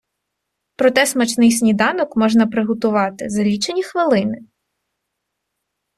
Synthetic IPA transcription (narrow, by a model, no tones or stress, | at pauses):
pɾɔt̪ɛsmɐt͡ʃnɪjs̬ʲnʲid̪ɑnɔkmɔʒnɐpɾɪɦɔt̪ʊʋɑt̪ɪ̰zɐlʲit͡ʃenʲixʋɪlˠɪnɪ